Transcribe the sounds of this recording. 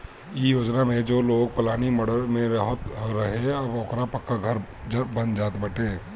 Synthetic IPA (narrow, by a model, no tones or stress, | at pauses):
ijoːd͡ʒnamẽd͡ʒoːloːɡ̚pɐlaːniməɽəɾmẽɾɐɦət̪ɾɐɦeɐboːkɾapɐkːaɡʱɐɾ | d͡ʒbɐnd͡ʒaːt̪bəʈeː